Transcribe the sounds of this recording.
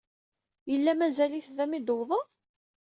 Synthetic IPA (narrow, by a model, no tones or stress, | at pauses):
jəlːæmæzæliθðæmid̪əwðˤəˤ